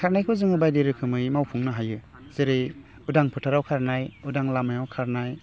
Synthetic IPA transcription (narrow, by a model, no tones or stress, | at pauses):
kʰaɾnajkʰɯzɯŋɯbajdeɾɯkʰɯmɯjmawpʰuŋnɯɦajɯ | zeɾɯj | udaŋpʰɯtʰaɾawkʰaɾnajudaŋlamajawkʰaɾnaj